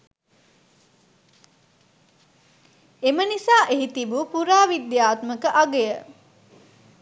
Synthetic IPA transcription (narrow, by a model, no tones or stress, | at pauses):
emənisaːʔeɦit̪ibupuɾaːʋid̪jaːt̪məkəʔaɡejə